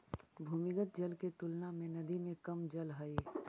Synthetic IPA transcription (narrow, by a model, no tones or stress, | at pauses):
bʱuːmɪkət̪̚d͡ʒɐlket̪ʊlnamẽnɐd̪imẽkɐmd͡ʒɐlɦəe